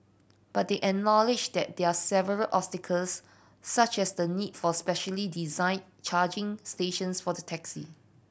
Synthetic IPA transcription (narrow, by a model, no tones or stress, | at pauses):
b̥at̚deʔɛk̚nɔlɪd͡ʒdɛt̚dɛasɛvəɹəlʔɔpstɪkʰəlsː | at͡ʃɛsdənidfɔspɛʃəlidizãɪ̃n | t͡ʃʰad͡ʒɪ̃ŋsteʃə̃nsfɔdətʰɛksḭ